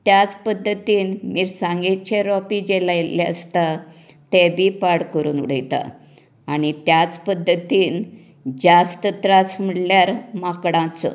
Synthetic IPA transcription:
t̪jat͡spəd̪ʱːət̪iːnmiːɾsãŋɡet͡ɕeɾɔpid͡ʑelajleə̰st̪a | t̪ebʱiːpaɽkəɾuːnṵɽ̤əjt̪a̰ | aɽ̃it̪jat͡spəd̪ʱːət̪iːn | d͡zast̪ət̪ɾasm̤əɽljaɾmakɽãt͡sɔ̰

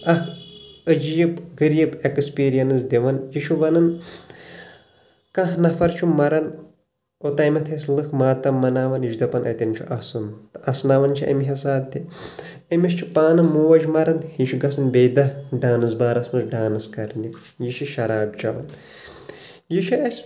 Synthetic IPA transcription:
ɐkʰəd͡ʒijibɡɨɾiibekspiːɾijɐnɨs̬d̪ʲeʋɐnjiʃʰuʋɐnɐn | kɐ̃ɦnɐfʰɐɾt͡ʃʰumɐɾɐn | ot̪ɐjmɐt̪ʰɐslɨkʰmaːt̪ɐmːɐnaːʋɐnjiʃud̪ɐpɐnʔɐ̰t̪ʲɐnt͡ʃʰṵʔɐsunt̪ɨ̥ɐsnaʋɐnt͡ʃʰiʔɐ̰miɦɐsaːb̚t̪ʰʲi | ɐmʲɐʃt͡ʃʰipaːnɨmuːʋɐd͡ʒmɐɾɐnhiʃuɡɐsɨnbeːd̪ɐɖaːnɨs̬baːɾɐsmɐzɖaːnɨskɐɾnʲi | jiʃiʃɐɾaːb̚t͡ʃɐʋɐ̰n | jiʃʰiɐsʲ

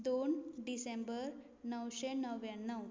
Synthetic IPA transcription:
d̪onɖisembəɾ | nəwɕenəʋjanːəw

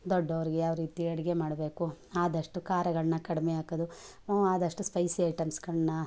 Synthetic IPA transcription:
d̪ɔɖːɐʋɐɾiɡejaːʋɐɾiːt̪iɐɽiɡemaːɽɐbe̞ːkuaːd̪ɐʂʈukaːɾjɐɡɐɭɐnːɐkɐɽimeaːkɐd̪u | aːd̪ɐʂʈuspɐjsiɐjʈɐmsɡɐɭnːɐ

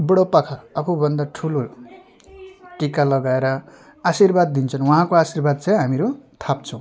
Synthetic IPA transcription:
bʌɽopʌkʰaʌbʰubʌnd̪aʈʰulo | ʈikalʌɡaeɾʌ | asirbad̪̚ːint͡sʰʌnwʌɦãkoasirbad̪̚t͡saj̃ɦamiɾut̪ʰap̚t͡sʰʌ̃w̃

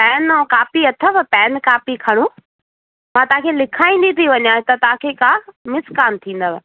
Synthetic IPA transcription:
pɛːnkaːfiɐt̪ʰəʋpɛːnkaːfikʰɐɽ̃u | mãːt̪ɐʋãkʰelɪkʰaːĩːn̆d̪it̪ʰiʋɐɲjaːɪ̃t̪ɐt̪ɐaãkʰeːkaːmɪskaːnt̪ʰĩːn̆d̪əʋ

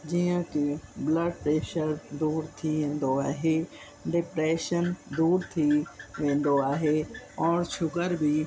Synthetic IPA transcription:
d͡ʑijə̃kɪbləɖ̚pɾeːʃəɾd̪uːɾt̪ʰiʋẽːn̆d̪oaːɦe | ɖɪpɾeːʃənd̪uːɾt̪ʰiʋẽːn̆d̪oaːɦeɔːɾʃʊkəɾbʱi

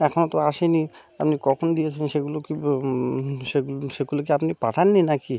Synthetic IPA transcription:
ɛkʰonot̪oaʃeni | apnikɔkʰonod̪ijet͡ɕʰenʃeɡuloki | ʃeɡuʃeɡulok̬eapnipaʈʰanːinaki

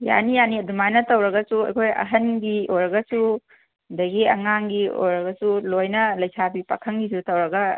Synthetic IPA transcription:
ja̰nijaniɐdumajnɐtɐwɾɐɡɐsuɐ̰jkʰojɐ̰ɦɐnɡiojɾɐɡɐsu | dɐɡiɐ̰ŋaŋɡio̰jɾɐɡɐsulojnɐlɐjsʰabipa̰kʰɐŋɡisutɐwɾɐɡɐ

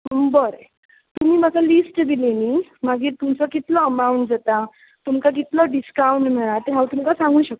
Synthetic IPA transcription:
bəɾ | t̪um̤iːmaɡalisʈd̪ileniːmaɡiːɾt̪umt͡sɔkit̪lɔəmauɳʈd͡zat̪a | t̪umkak̬it̪lɔɖiskawɳʈm̤eɭ̃at̪eɦãwt̪umkasãŋɡuːɕək̚t̪o

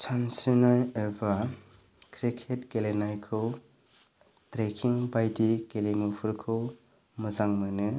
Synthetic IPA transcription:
t͡ʃʰansɯnajeba | kʰɾikʰetkelenajkʰɯw | tɾekʰiŋbajdikelemupʰɯɾkʰɯw | mɯzaŋmɯnɯ

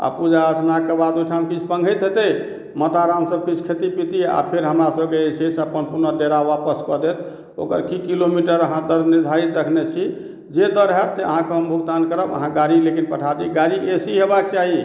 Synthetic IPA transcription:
a̰pud͡ʒaəsnakebad̪ujʈʰamkit͡ʃʰpəŋɡʱət̪ɦet̪ə | mət̪aɾamsəb̚kit͡ʃʰkʰet̪ipit̪ia̰pʰeɾɦəmɾasəbkeesisəpənpuɾnəd̪eɾawapəskɔd̪et̪ʰ | o̰kəɾkikilomiʈəɾəɦãd̪əɾnid̪ʱaɾit̪ɾəkʰnet͡ʃʰi | d͡ʒed̪əɾɦɛt̪seə̰ɦãkeɦəmbʱukt̪ankəɾəbə̰ɦãɡaɾilekinpəʈʰat̪iɡaɾiʔesiɦebak̚t͡ʃaɦi

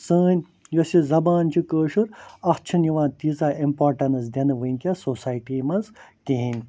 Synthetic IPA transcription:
səːnʲ | josʲizɐbaːnt͡ʃʰikəːʃuɾɐxt͡ʃʰiniʋãːnt̪iːzaːimpoːɾʈɐnɨsd̪ʲɐnɨʋɨnʲkʲasoːsaːjʈiːmɐnzkiɦinʲ

